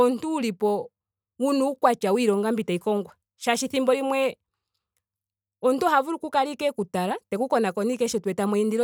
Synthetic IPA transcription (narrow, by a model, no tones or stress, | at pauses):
ɔntuːlipɔ | wunuːkwat͡ʃawiɾɔŋɡambitaikɔŋɡwa | ʃaʃiθimbɔlimwɛ | ɔntɔhavuɾukukaɾikɛkutaɾatɛkukɔnakɔnikɛʃɔtwɛtamwɛindiɾɔ